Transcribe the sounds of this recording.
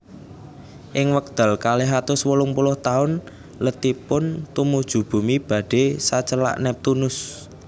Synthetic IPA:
ʔɪŋwək̚d̪̥a̤lkaleɦat̪ʊswulʊŋpulʊht̪aʊn | lət̪ipʊnt̪umud̥ʒ̥ṳb̥ṳmib̥ä̤ɖ̥e̤sat͡ʃəla̰ʔnɛp̚t̪unʊs

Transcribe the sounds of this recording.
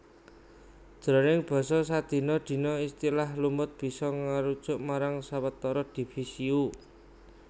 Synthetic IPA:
d͡ʒ̥ɾɔnɪŋb̥ɔ̤sɔs̬ad̪̥i̤nɔd̪̥i̤nɔist̪ilahlumʊt̪̚b̥i̤sɔŋaɾud̥ʒ̥ʊʔmaɾaŋsawət̪ːɔɾɔd̪̥i̤fisiu

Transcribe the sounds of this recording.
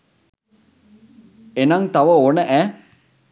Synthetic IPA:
enɐŋt̪ɐʋəonəʔæː

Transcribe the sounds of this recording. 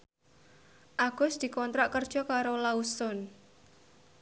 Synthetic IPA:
ʔaɡ̥ʊ̤sd̪̥i̤kɔnt̪ɾaʔkərd̥ʒ̥ɔ̤kaɾolausʊn

